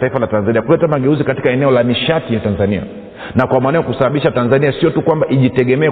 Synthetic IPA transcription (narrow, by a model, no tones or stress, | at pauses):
taifalatanzaniakulɛtamaɡɛuzikati̥kaɛnɛɔlamiʃatijatanzania̰ | nakwamaːnajakusaɓaɓiʃatanzaniasiɔtukwambaʔiʄitɛɠɛmɛː